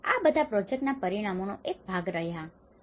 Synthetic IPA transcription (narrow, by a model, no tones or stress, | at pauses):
a̰bəd̪ʱapɾɔd͡ʒek̚ʈnapəɾiɽ̃amonoʔek̚bʱaɡɾəɦja